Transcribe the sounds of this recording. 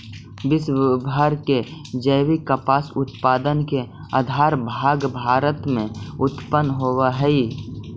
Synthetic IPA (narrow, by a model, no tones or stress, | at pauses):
bɪsʋɪbʱaɾked͡ʒəjwikəpaːsʊt̪paːd̪ənke | ə̰d̪ʱaːɾbʱaːɡbʱaːɾət̪mẽʊt̪pənɦoːwaɦɛi